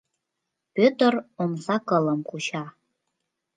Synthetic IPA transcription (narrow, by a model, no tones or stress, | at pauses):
pʲøt̪əronsɑkələmkuɕɑ